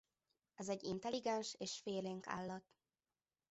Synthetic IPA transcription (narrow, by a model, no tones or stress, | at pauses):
ɛzɛɟːint̪ɛliɡɛnʃeːʃfeːleːŋka̰ːlːɒt̪